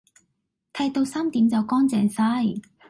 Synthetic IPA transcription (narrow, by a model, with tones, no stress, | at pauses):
t̪ʰɐ˧jt̪o˧wsaː˥mt̪iː˨˥mt͡sɐ˨wkɔː˥ŋt͡sɛː˨˩ŋsaː˥j